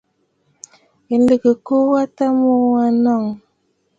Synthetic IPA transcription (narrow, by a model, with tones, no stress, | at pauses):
i˨n̩˦lə˨kə˨ko˦wa˦ta˦mo˦˨˦a˦nɔ˦˨ŋ